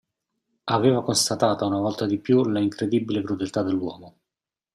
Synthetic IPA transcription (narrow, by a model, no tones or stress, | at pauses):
aveːvakonst̪at̪aːt̪aunavɔlt̪ad̪ipjulaiŋkɾed̪ibːilekɾud̪elt̪ad̪ːelːwɔːmo